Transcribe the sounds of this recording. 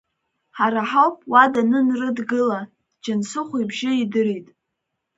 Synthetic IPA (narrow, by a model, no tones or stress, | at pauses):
ħaɾaħawpʼwadanɨnrɨdɡɨla | d͡ʒansɨχʷibʒɪidɨɾitʼ